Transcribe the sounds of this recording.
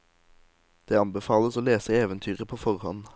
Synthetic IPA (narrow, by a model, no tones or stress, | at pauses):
d̪̥eːɑmbɛfɑːləsoːleːsəeːʋənt̪ʰyːʁəpʰoːfɔʁhɔ̰n